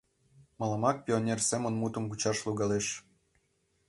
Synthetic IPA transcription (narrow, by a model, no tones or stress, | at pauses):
mɤ̆lɑmɑk̚pʲionʲersemə̆nmut̪ə̆mɡut͡ɕɑʃluɣɑleʃ